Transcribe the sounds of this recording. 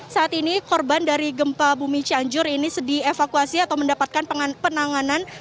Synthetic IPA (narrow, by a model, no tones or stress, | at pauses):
saʔat̪inikɔrbandaɾiɡəmpabumit͡ʃiaɲd͡ʒʊɾinisədiefakuasiat̪awməndapat̪̚kanpənaŋanan